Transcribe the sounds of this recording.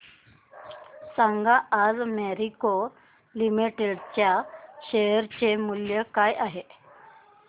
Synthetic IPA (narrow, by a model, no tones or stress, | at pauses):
saŋɡaʔad͡zmeɾiko | limiʈeɖt͡ɕjaɕejəɾt͡ɕemuljəkajʔaɦe